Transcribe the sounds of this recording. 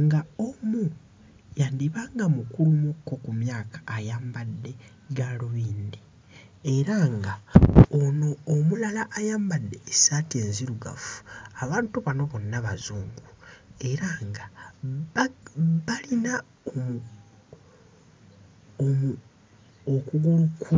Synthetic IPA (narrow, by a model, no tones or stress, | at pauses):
ŋɡaomu | jandiβaːŋɡamukulumukːo̞kumjaːkḁːjaːmbadːe̞ | ɡaloβiːnde | e̞ɾaŋɡaonoːmulalaʔːjaːmbadːe̞ːsaːtieːnziɾuɡa̰fu̥aβaːntuβano̞βo̞nːaβazuːŋɡue̞ɾaːŋɡa | balina | om | mu | okuɡulukʰːu